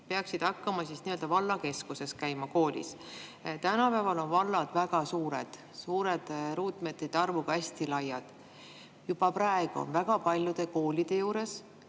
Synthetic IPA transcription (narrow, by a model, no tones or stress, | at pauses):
peɑksid̪̥hɑkːɑmɑsisniø̞ld̪̥ɑvɑlːɑke̞skuse̞skæjmɑko̞ːlʲḭs | t̪ænɑpævɑlo̞nvɑlːɑd̪̥væɡ̥ɑsuːɾed̪̥ | suːɾe̞d̪̥ɾuːt̪ˑmed̪ːet̪ɑrvuɡ̥ɑæsʲt̪ilɑjːɑd̪̥ | jub̥ɑprɑeɡ̥uo̰nvæɡ̥ɑpɑlʲjud̪̥e̞ko̞ːlʲid̪̥e̞juːɾe̞s